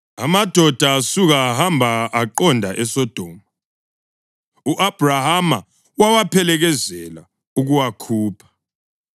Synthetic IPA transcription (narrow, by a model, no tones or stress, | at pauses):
a̰mad̥ʱɔd̥ʱaːsuɣaːɦambʱaʔaǃɔndʱaʔɛsɔd̥ʱɔːma | uʔab̥ʱrahama | wawapʰɛlɛɣɛzɛla | uɣuwakʰuːpʰḁ